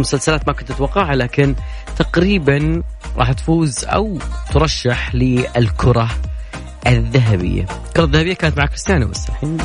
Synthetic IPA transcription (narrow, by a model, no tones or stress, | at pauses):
mʊsalsalaːt̪makʊnt̪ɪt̪wɑqːɑːʕalaːkɪn | t̪aqɾiːbanɾˤɑ̰ːħt̪fuːzʔa̰wt̪ɾˤɑʃːaħlɪʔɪlkʰʊɾˤɑ | ʔɪðːaɦabɪ̰jːa̰lkʊɾˤɑðːahabɪjːakaːnat̪maʕaːkɪst̪aːnaba̰sːa̰ħin